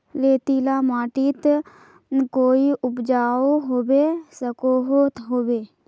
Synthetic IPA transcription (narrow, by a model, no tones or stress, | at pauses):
leːt̪ilamaːʈiːt̪ | koːiʊpd͡ʒaːoɦoːbesəkoɦot̪ɦoːbeː